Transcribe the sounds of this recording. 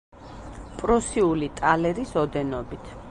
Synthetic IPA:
pʼɾɔsiulit̪ʼalɛɾisɔd̪ɛnɔbit̪ʰ

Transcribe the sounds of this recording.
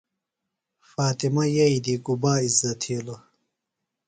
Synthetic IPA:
faːt̪imɐjɐid̪iɡubaːizɐt̪ʰiːlo

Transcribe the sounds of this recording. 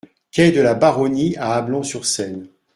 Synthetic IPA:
kʲɛd̪əlabaʁɔniaːblɔ̃syʁsɛn

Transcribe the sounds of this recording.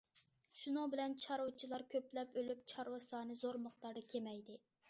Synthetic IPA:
ʃunɨŋbɪlɛnt͡ʃʰɑɾowt͡ʃʰilˠɑɾkʲʰøplɛpølypt͡ʃʰɑɾwɑsɑːnɨzoɾmɑχt̪ɑɾd̪ɨkʲʰemɛjd̪ɪ

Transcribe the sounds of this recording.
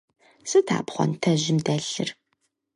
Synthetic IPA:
sɨtʰa̰ːpχʷɔ̰ntʰɐʑɪmdɐɬɨ̰r

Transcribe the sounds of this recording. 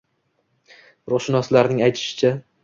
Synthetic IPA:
ɾʊχʃɪnɒslaɾnɪŋajt̪ʰɪ̥ʃɪ̥t͡ʃʰa

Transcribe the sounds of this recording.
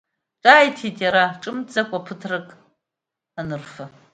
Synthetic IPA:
ʈ͡ʂʼaːjtʰitʼjaɾaʈ͡ʂʼɨmd͡zakʷʼapʰɨtʰrɨkʼ | anɨrfa

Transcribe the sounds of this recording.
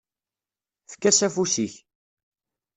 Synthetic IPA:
fə̥kːæsæfusiç

